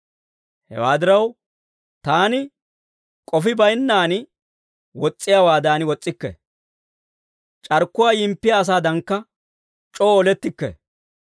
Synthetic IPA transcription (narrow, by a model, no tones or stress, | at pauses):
hɛ̰waːd̪ɪɾɐw | t̪aːnɪ | kʼɔfɪbɐjnːaːnɪ | wɔt͡sʼːɪjaːwaːd̪aːnɪwɔt͡sʼːɪkːɛ̰ | t͡ʃʼɐɾkːʊwaːjɪmpːɪjaːs̬aːd̪ɐŋkːɐ | t͡ʃʼoːlɛt̪ːɪkːɛ̰